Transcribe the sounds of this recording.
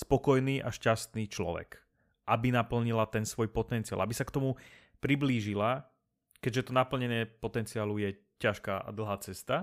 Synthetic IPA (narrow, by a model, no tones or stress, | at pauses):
spɔkɔjniːʔaʃcast̪niːt͡ʃlɔ̰ʋɛ̰k | ʔabinapl̩ɲilat̪ɛnsʋɔjpɔt̪ɛnt͡sialabisakt̪ɔmu | pɾibliːʒila | kɛɟʒɛt̪ɔnapl̩ɲɛɲɪɛpɔt̪ɛnt͡siaːlujɛ | caʃkaːʔa̰d̪l̩ˠɦaːt͡sɛst̪a